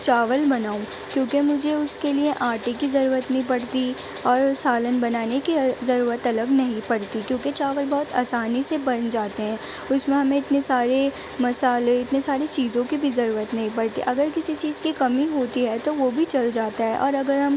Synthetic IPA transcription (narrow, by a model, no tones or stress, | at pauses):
t͡ʃaːʋəlbɐnaːũ | kjõːkemʊd͡ʒʱeʊskelieʔaːʈekizɐɾuːɾət̪nɐɦĩpɐɽt̪i | ɔːɾsaːlənbɐnaːnekizɐɾuːɾət̪ɐləɡnɐɦĩpɐɽt̪ikjõːket͡ʃaːʋəlbɔːt̪a̰ːsaːnisebɐ̃nd͡ʒaːt̪eɦɛ̃ː | ʊsmẽɦɐmẽɪt̪nesaːɾe | mɐsaːleɪt̪nesaːɾet͡ʃiːzõkibʱizɐɾuːɾət̪nɐɦĩpɐɽt̪ḭʔɐɡəɾkɪsit͡ʃiːzkikɐmiɦoːt̪iɦɛt̪oʋobʱit͡ʃɐld͡ʒaːt̪aɦɛʔɔːɾɐɡəɾɦɐm